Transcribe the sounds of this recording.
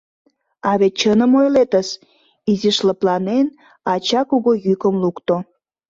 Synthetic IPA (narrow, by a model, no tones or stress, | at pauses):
ɑβet̪̚t͡ɕənəmojlet̪əʃ | iziʃləplɑnen | ɑt͡ɕɑkuɣojykəmlukt̪o